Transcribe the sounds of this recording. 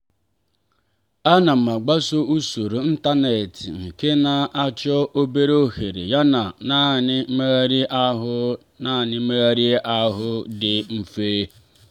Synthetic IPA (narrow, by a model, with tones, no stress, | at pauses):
a˦na˨m̩˨ma˨ɡ͡ba˦so˦u˦su˨ɾu˨n̩˦ta˦ne˨tɪ̰˨ŋ̩˨ke˦na˨ʔa˦t͡ʃɔ˦ʔo˦be˦ɾo˦he˨ɾḛ˨ja˦na˨na˦nɪ˦me˦ɣɾi˦ʔa˦ɦʊ˦ | na˦˨nɪ˦me˦ɣɾi˦ʔa˦ɦʊ˦dɪ˨m̩˦feː˦